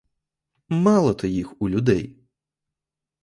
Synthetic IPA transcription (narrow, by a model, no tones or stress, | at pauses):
mɑlˠɔt̪ɔjixulʲʊd̪ɛj